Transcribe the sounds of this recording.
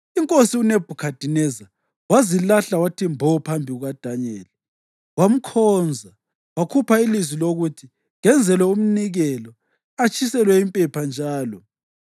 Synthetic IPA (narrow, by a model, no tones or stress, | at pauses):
iŋkʼosiuneb̥ʱukʰad̥ʱinɛza | wazilaɬawatʰimbʱɔpʰambʱiɣuɣad̥ʱaɲɛːlɛ | wam̩kʰɔːnd͡zʱa | wakʰupʰailizwiloɣutʰi | ŋɛnd͡zʱɛlwɛum̩niɣɛlɔ | at͡ʃʰʼisɛlwɛimpʼɛpʰand͡ʒʱaːlɔ